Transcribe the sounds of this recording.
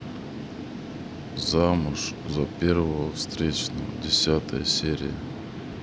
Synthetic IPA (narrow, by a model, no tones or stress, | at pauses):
zamʊʂzɐpʲervəvəfst̪ɾʲet͡ɕnə̰dʲɪsʲat̪əjəsʲeɾʲɪ̰jə